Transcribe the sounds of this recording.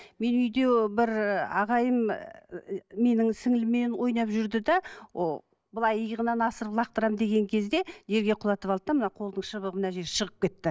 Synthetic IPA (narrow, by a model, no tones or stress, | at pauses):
me̞nʏjd̪e̞bɪɾɑʁɑjəm | me̞nɪŋsɪŋɪlɪmenwo̞jnɑpʒʏɾd̪ɪd̪ɑwo | bəlˠɑjəjʁənɑnɑsəɾəplˠɑq̚t̪əɾɑmd̪e̞ɡʲe̞ŋkʲʰe̞zd̪e̞ʒe̞ɾɡʲe̞qʰʊlˠɑt̪əpɑlˠd̪əd̪ɑmənɑqʰo̞lˠd̪əɴʃəβəʁəmənɑʒe̞ɾʃəʁəp̚kʲe̞t̪ːɪ